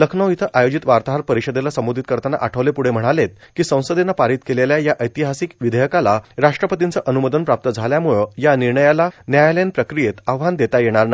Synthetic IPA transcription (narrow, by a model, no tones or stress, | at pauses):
ləkʰnəwit̪ʰəʔajod͡ʑit̪ʋaɾt̪aɦaɾpəɾiɕəd̪elasəmod̪ʱit̪̚kəɾt̪ana̰ʔaʈʰəʋlepuɽem̤əɽ̃alet̪̚kiːsə̃w̃səd̪enapaɾit̪keleljajaʔəjt̪iɦasikʋid̪ʱəjəkalaɾaʂʈɾəpət̪int͡səʔənuməd̪ənpɾap̚t̪əd͡zʱaljamuɭəjaniɾɳəjalanjajalenpɾəkɾijet̪aʋʋand̪et̪ajeɽ̃aɾna